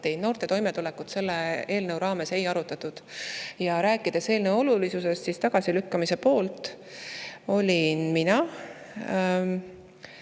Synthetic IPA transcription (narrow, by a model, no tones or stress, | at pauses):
t̪ejno̞ːrt̪e̞t̪o̞jmet̪ulekut̪se̞lːee̞ːlnəwɾɑːme̞se̞jɑɾut̪ːˑɑt̪ːud̪̥jɑɾæːkːˑid̪̥e̞se̞ːlnewo̞lulisuse̞st̪sist̪ɑɡ̥ɑsilykːɑmise̞po̞ːlt̪ | o̞lʲinminɑ